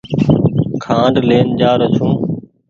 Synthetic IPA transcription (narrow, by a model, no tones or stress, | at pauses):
kʰãːɖleːnd͡ʒaːɾət͡ʃʰũː